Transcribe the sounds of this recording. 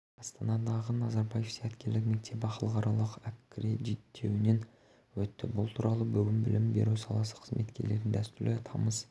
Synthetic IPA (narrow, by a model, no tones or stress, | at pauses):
ɑst̪ɑnɑd̪ɑʁənɑzɑɾbɑje̞fsæt̪kʲe̞ɾlɪkme̞k̚t̪ʰe̞pɑqəlˠəqɑɾɑlˠəqækkʲːɾeʒet̪ʰːe̞wɪne̞n | wɵt̪ːɪbʊlˠt̪ʰuɾɑlˠəbʏɡʲɪnbɪlʔɪmbe̞̰ɾusɑlˠɑsə̥qʰə̥zmʔe̞̰t̪kʲe̞ɾle̞ɾɪnd̪æst̪ʏɾlɪt̪ʰɑməz